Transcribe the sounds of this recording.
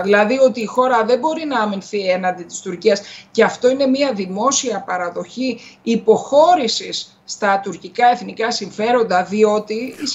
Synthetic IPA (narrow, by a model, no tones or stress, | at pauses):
ðilɐðio̞t̪iːxo̞ɾɐðe̞bo̞ɾinɐɐminθie̞nɐnd̪it̪i̥st̪uɾciɐsce̞ɐft̪o̞ine̞miɐðimo̞siɐpɐɾɐðo̞çiːpo̞xo̞ɾisisːt̪ɐt̪uɾcikɐe̞θnikɐsiɱfe̞ɾo̞nd̪ɐðio̞t̪iis